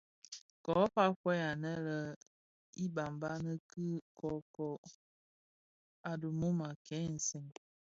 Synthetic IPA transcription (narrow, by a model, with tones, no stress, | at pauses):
kɔ˨˦pa˦kwɛ˦a˨nɛ˦lə˦ | i˦ba˨mba˦nə˦kə˦kɔ˨kɔ˨ | a˨du˨mu˦ma˨kʰɛ˨˦n̩˨sɛ˨ŋ